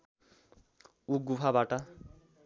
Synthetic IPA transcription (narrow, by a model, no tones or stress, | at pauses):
uk̚ɡupʰabaʈa